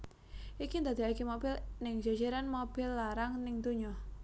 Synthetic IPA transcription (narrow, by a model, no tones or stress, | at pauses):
ʔikind̪a̤d̪iakimobɪlnɪŋd͡ʒad͡ʒeɾanmob̥ɪlːaɾaŋnɪŋd̪uɲɔ